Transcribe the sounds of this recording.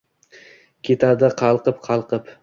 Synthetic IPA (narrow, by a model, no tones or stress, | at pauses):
kʲʰe̞t̪ʰad̪ɪqʰɑlˠqɨpqʰɑlˠqɨp